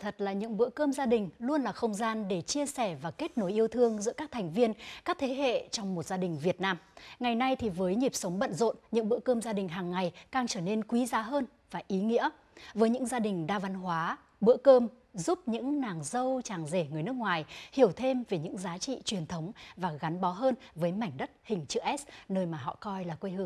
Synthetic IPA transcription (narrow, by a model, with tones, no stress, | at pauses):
t̪ʰə˨˩t̚laː˨˩ɲɨ̰˧˥ŋɓɨ̰˧˥əkəː˧mzaː˧ɗï˨˩ŋ̟lu˧ənlaː˨˩xə˧wŋ͡mzaː˧nɗe˧˩t͡ɕi˧əsɛ˧˩vaː˨˩ke˦˥t̚no˨˦jʔi˧əwt̪ʰɨ˧əŋzɨ̰˧˥əkaː˦˥k̚t̪ʰɛ˨˩jŋ̟vi˧ənkaː˦˥k̚t̪ʰe˨˦ɦḛ˧˨t͡ɕɔ˧wŋ͡mmo˨˩t̚z̥aː˧ɗï˨˩ŋ̟vi˨˩ət̚naː˧mŋa˨˩jna˧jt̪ʰi˨˩vəː˨˦jɲi˨˩p̚sə˨˦wŋ͡mɓə̰˧˨nzo̰˧˨nɲɨ̰˧˥ŋɓɨ̰˧˥əkəː˧mzaː˧ɗï˨˩ŋ̟ɦaː˨˩ŋːa˨˩jkaː˧˩ŋt͡ɕəː˧˩ne˧nkwi˨˦zaː˨˦ɦəː˧n | vaː˨˩ʔi˨˦ŋḭ˧˥ə | vəː˨˦jɲɨ̰˧˥ŋzaː˧ɗï˨˩ŋ̟ɗaː˧va˨˦nɦwaː˨˦ | ɓɨ̰˧˥əkəː˧m | zu˦˥p̚ɲɨ̰˧˥ŋnaː˨˩ŋzə˧wt͡ɕaː˨˩ŋze˧˩ŋɨ˨˩əjn˦˥ək̚ŋwaː˨˩jhi˧˩əwt̪ʰe˧mve˨˩ɲɨ̰˧˥ŋzaː˨˦t͡ɕḭ˧˨t͡ɕwi˨˩ənt̪ʰə˨˦wŋ͡mvaː˨˩ɣa˨˦nɓɔ˨˦ɦəː˧nvəː˨˦jma˧˩jŋ̟ɗə˦˥t̚hï˨˩ŋ̟t͡ɕɨ˧˩ʔɛ˦˥snəː˧jmaː˨˩ɦɔ̰˧˨kɔ˧jlaː˨˩kwe˧jhɨ˧əŋ